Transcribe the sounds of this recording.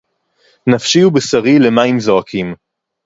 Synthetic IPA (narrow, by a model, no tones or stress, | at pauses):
nafʃiubesaʁile̞maimzoakʰim